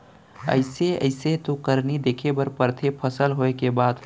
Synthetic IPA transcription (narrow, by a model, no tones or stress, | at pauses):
ə̰ɪseə̰ɪset̪okəɾnid̪eːkʰebəɾpəɾt̪ʰepʰəsəlɦoekebaːd̪